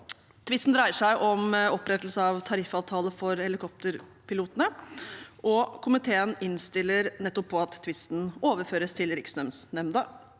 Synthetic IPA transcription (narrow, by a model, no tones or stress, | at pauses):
t̪ʰʋɪst̪n̩d̪ɾæɪəʂæɪʔɔmɔpːɾɛt̪l̩səɑʋt̪ʰɑɾɪfɑːʋt̪ʰɑːləfɔɾhɛlɪkʰɔp̚t̪əɾpʰɪluːt̪ənə | ʔɔkʰʊmɪt̪ʰeːənɪnst̪ɪlːəɾnɛt̪ːɔpʰːɔɑt̪ʰːʋɪst̪n̩oːʋəɾføːɾəst̪ʰɪlɾɪksnœmsnɛmd̪ə